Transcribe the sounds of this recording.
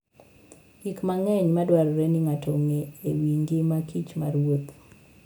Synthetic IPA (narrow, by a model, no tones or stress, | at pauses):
ɡikmaŋɛɲmadwaɾɔɾɛniŋatʰoŋeewiŋɡɪmakʰit͡ʃma̰ɾwot̪